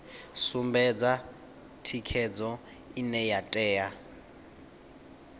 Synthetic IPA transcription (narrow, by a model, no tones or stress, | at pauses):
sumbɛd͡za | tʰikʰɛd͡zɔ | inɛjatʼɛːa